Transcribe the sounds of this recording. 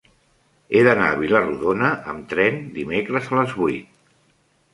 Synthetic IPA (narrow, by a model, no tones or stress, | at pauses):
eðəna̰əβiləruðonəʔəmt̪ɾɛnd̪imekɾəzələzβuit̪̚